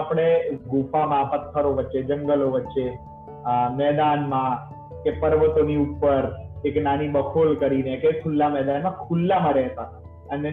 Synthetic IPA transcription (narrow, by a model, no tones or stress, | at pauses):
apɽ̃eɡufamãpət̪ʰːəɾoʋətːʃed͡ʒə̃ŋɡəloʋətːʃe | mɛd̪anmã | kepəɾʋət̪oniupːəɾeknanibəkʰolkəɾinekekʰulːamɛɦd̪anmãkʰulːamãɾɛɦt̪a | əne